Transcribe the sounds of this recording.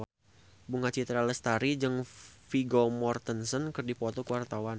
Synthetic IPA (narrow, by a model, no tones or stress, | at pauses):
buŋat͡ʃit̪ɾaləst̪aɾid͡ʒɨŋfiɡomɔrt̪ənsɔnkərdipɔt̪ɔkəwart̪awan